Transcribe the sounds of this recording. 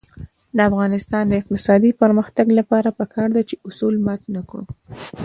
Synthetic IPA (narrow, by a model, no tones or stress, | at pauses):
d̪əafɣɑnɪst̪ɑnd̪əɪq̚t̪ɪsɑd̪ipəɾməxt̪aɡlapɑɾapəkʰɑɾd̪at͡ʃeʊsulmat̪nakɽṵ